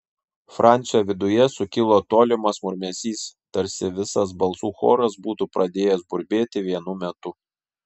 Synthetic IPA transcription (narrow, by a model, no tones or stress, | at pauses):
fɾʔɑˑnʲt̪sʲoʋʲɪd̪ʊjɛsʊkʲɪlˠoːt̪oːlʲɪmɐsmʊɾʲmʲɛsʲiːst̪ɐɾʲsʲɪʋʲɪsɐsbɐlˠsuːxo̰ːɾɐsbuːt̪upɾʔɐd̪ʲeːjɛsbʊɾʲbʲeːt̪ʲɪʋʲiɛnumʲɛt̪ʊ